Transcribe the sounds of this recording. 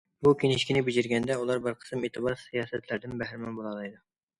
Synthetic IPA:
bukʲʰeŋɪʃkʲinɪbɪd͡ʒɪɾɡʲɛnd̪ɛulˠɑɾbɪɾqʰə̥sɨmet̪ʰɨbɑɾsijɑːsɛt̪læɾd̪ɪnbæɦɾɪmɛnbolˠɑlˠɑjd̪u

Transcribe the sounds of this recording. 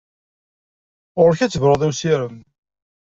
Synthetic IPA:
ʊɾçæt͡sːəvɾˤəðˤæwsiɾəm

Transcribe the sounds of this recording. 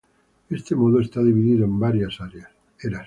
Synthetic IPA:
est̪emoðoest̪aðiβ̞iðiðoembaɾjasaɾeas | eɾa

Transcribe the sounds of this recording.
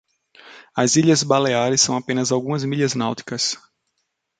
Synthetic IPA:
ɐziʎɐzbaleaɾɪsːɐ̃w̃apẽnɐzawɡũmɐzmiʎɐznawt̪i̥kɐs

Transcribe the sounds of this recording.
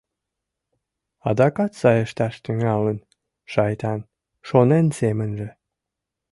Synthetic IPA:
ɑd̪ɑkɑt̪sɑjəʃt̪ɑʃt̪yŋɑlən | ʃɑjt̪ɑn | ʃonensemənʒĕ

